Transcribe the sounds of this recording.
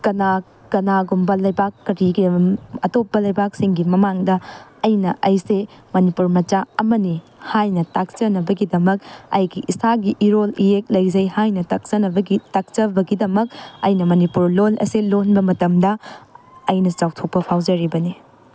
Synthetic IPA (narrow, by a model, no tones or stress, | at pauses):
kɐna | kɐnaɡumbɐlɐjbakːɐɾiɡiɐtopːɐlɐjbak̚siŋɡimɐmaŋdɐːjnɐʔɐjsemɐnipuɾmɐt͡ʃaɐmɐni | hajnɐtak̚t͡ʃɐnɐbɐɡidɐmɐk̚ɐ̰jɡiʔisaɡiʔiɾolijek̚lɐjzɐjhajnɐtak̚t͡ʃɐnɐbɐitak̚t͡ʃɐbɐɡidɐmɐk̚ɐ̰jnɐmɐnipuɾlolɐ̰selonbɐmɐtɐmdɐ | ɐjnɐt͡ʃawtʰok̚pɐpʰawd͡ʒɐɾibɐni